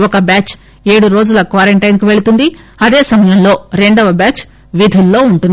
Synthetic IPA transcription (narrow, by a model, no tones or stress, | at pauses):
ɔkɐbaːt͡ʃ | e̞ːɽuɾo̞ːd͡ʒulɐkʋaːɾeɳʈɐjnkiʋe̞ɭut̪und̪i | ɐd̪e̞ːsɐmɐjɐmlo̞ːɾe̞ɳɖɐʋɐbaːt͡ʃ | ʋid̪ʱulːo̞ːuɳʈund̪i